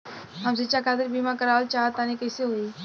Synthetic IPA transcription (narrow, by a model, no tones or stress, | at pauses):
ɦəmsɪt͡ʃakaːd̪əɾbiːmãkəɾaːlt͡ʃaːt̪aːnikəseɦoːiː